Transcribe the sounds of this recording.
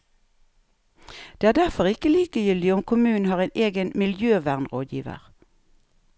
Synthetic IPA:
d̪̥eːæːʁd̪æʁfɔʁɪkəliːkəjʏld̪ɪɔmkʰʊmʉːn̩hɑːʁeːnʔeːɡənmɪljøːʋæʁnʁoːd̪jḭːʋə̰ʁ

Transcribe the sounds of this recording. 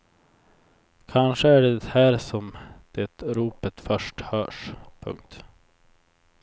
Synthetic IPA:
kʰanʂəæɖɛhæːɾsɔmd̪̥ɛt̪ɾuːpət̪fœʂʈhœːʂpʰɵ̰ŋkt̪

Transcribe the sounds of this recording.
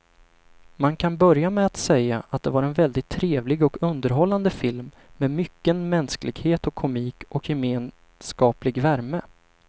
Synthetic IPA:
mankʰanbœɾjamɛat̪sɛjːaʔat̪̚d̪ɛvaɾɛnvɛld̪ɪt̪ʰːɾeːvlɪɡɔkɵnd̪əɾɦɔlːand̪əfɪlmː | ɛmʏkːənmɛnsklɪ̰ɡheːt̪ɔkʰːʊmiːkɔkjɛmeːn | skɑːplɪɡvæɾmə

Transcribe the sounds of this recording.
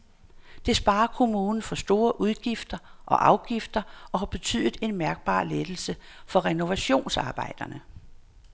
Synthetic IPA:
d̥e̝sb̥ɑ̈ːɐkʰo̝muːnn̩fɒ̽sd̥o̝ːɐʔuð̞ˠɡ̥ifd̥ɐʔɒ̽ʔɑ̈ʊɡ̥ifd̥ɐʔɒ̽hɑ̈b̥e̝t͡sʰy̰ð̰ˠð̩ˠe̝nmæɐɡ̥̚b̥ɑ̰̈ːled̥l̩səfɒ̽ʁɛno̝ʋæɕo̝̰ːnsɑ̈ːb̥ɑ̈ɪ̰d̥ɐnə

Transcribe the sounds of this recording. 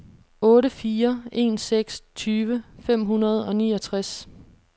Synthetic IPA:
ɔ̽ːɾəfiːɐe̝̰ːnseɡ̥st͡sʰyːʋəfem̰ɦunɐð̞ˠɒ̽nḭːɒ̽t͡sʰʁas

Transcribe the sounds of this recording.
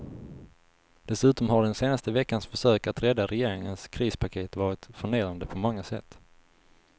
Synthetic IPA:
d̪̥ɛsʉ̟ːt̪ɔmɦaɖɛnseːnast̪əvɛkːansfœʂøːkat̪ɾɛd̪ːaɾɛjeːɾɪŋənskʰɾiːspʰakʰeːt̪vɑːɾɪt̪fœɳeːɾand̪əpʰɔmɔŋːasɛ̰t̪ː

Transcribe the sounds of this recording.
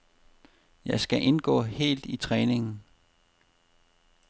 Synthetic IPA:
jɑ̈ɪsɡ̥æʔe̝nɡ̥ɔ̰̽ːhe̝̰ːld̥it͡sʰʁɛːne̝ŋn̩

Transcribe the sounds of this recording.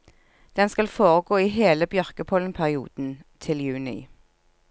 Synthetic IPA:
d̪̥ɛnskɑlfoːʁəɡoːiːɦeːləbjœʁkəpʰɔlnpʰæʁɪṵːd̪̥n̩t̪ʰɪljʉːnɪ̰

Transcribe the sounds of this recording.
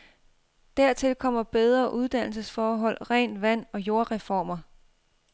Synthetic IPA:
d̥æɐ̰t͡sʰe̝lkʰɒ̽m̰ɐb̥eð̞ˠʁɐʔuð̞ˠd̥æn̰l̩s̬əsfɒːɦɒ̽l̰ʁɛnʋæn̰ɒ̽jo̝ɐʁɛfɒ̰ːmɐ

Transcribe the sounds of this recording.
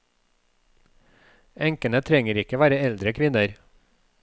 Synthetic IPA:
ɛŋkənət̪ʰɾɛŋəɾɪkəʋæːɾəɛld̪ɾəkʰʋɪnəɾ

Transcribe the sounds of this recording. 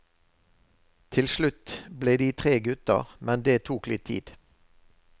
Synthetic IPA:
t̪ʰɪlʃlʉt̪bleːd̪iːt̪ʰʁeːɡʉt̪ə̰ʁmɛnd̪eːt̪ʰuːklɪt̪ʰḭːd̪̥

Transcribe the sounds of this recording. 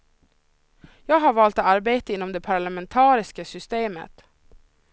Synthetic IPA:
jɑːɡɦaɾvɑːlt̪aɾbeːt̪aɪnːɔmd̪ɛpʰaɾɭamɛnt̪ʰɑːɾɪskasʏst̪eːmə̰t̪

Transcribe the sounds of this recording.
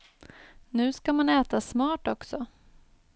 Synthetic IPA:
nʉ̟ːskamanɛːt̪asmɑːʈɔksɔ

